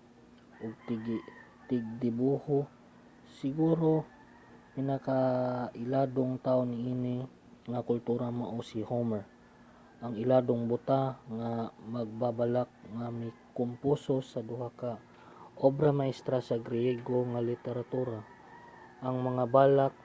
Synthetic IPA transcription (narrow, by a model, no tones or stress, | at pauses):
ʔoɡ̚t̪ɡ | t̪ɪɡ̚d̪ɪbuho | sɪɡuːɾo̞ | pɪnakaʔɪlaːd̪oŋt̪aʔonɪʔiːnɪ | ŋakʊlt̪uɾamaʔosɪhomɛɹ | ʔɐŋɪlaːd̪oŋbʊt̪aŋamɐɡ̚babɐlak̚ŋamɐjkʊmpusosɐd̪ʊhaka | ʔobɾɐmaʔɪst̪ɾasɐɡɾɪjɛɡoŋalɪt̪ɛɾat̪uːɾa | ʔɐŋmɐŋabaːlak̚